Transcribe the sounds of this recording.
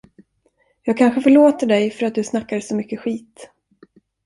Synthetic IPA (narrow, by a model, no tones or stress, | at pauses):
jɑːɡ̚kʰanɧəfœɭoːt̪əɖɛjfœɾat̪̚d̪ɵsnakːaɾsɔmʏkːəɧiːt̪